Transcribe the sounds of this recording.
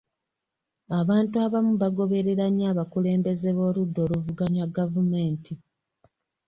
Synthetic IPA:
aβaːntuaβamuβaɡo̞βe̞ɾe̞ɾaɲːaːβakule̞ːmbe̞ze̞βo̞ːludːo̞ːɾuvuɡaɲwaɡavume̞ːntʰi

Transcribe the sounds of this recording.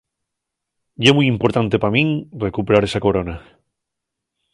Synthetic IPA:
ʝemujimpoɾt̪ant̪e̞pamĩŋrekupeɾaɾe̞sako̞ɾo̞na

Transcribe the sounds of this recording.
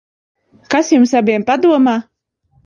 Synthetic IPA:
kasjumsabiɛmpad̪uɔmaː

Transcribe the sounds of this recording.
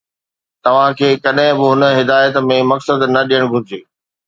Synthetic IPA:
t̪ɐʋ̤ãkʰeːkɐɗɦɪ̃bɪɦʊnə̆ɦɪd̪aːjət̪mẽmɐksəd̪nɐɗijəɽ̃ɡʱʊd͡ʑeː

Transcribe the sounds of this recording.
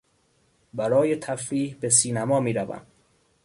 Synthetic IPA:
bæɾɒːjet̪ʰæfɾiːhbe̞s̬iːnæmɒːmiːɾævæ̰m

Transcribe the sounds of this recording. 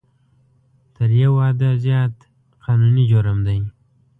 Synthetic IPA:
t̪əɾjawɑːd̪azjɑːt̪ | qʰɑnunid͡ʒoɾəmd̪aj

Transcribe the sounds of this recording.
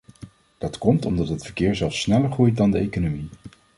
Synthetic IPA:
d̥ɑtkɔmtɔmdɑtɦətfə̥ɹkɪːɹzɛlˠfsːnɛləɹχrujt̚dɑndəejkonomi

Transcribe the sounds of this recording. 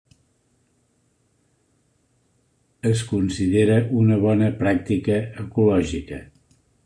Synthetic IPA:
əs̬kunsiðeɾəʔunəβ̞ɔnəpɾak̚t̪ikəːkulɔʒikə

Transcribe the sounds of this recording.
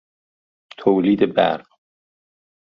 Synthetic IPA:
t̪ʰoːliːd̪ebæ̰ɾɢ

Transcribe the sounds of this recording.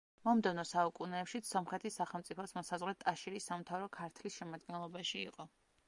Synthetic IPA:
mɔmd̪ɛvnɔsaukʼunɛːpʃit̪sɔmχɾɛt̪ʰisːaχɛlˠmt̪sʼipʰɔsmɔsazʁɾɛt̪ʼaʃiɾisːamt̪ʰavɾɔkʰaɾt̪ʰlisʃɛmad̪̚ɡɛnlˠɔbaʃḭːqʼɔ

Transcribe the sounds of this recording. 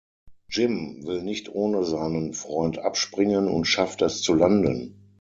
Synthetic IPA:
d͡ʒɪmvɪlnɪçtʰʔoːnəzaɪnənfʁ̥ɔʏntʔa̰pʃpʁ̥ɪŋənʊ̰ntʃaftɛst͡sulandə̰n

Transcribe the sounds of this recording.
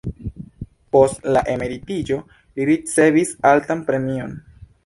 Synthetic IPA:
po̞stlaʔe̞me̞ɾitid͡ʒo̞ | liɾit͡se̞visaltanpɾe̞mio̞n

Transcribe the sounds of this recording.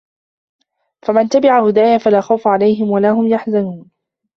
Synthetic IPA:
famant̪abɪʕahʊd̪aːjafalaːxawfʕalajɦɪmwalaːɦʊmjaħzanuːn

